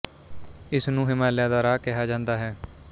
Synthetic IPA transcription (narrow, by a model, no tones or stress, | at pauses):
ɪsnũːɦɪmaːljaːd̪aːɾaːkɪɦaːd͡ʒãːnd̪aːɦɛː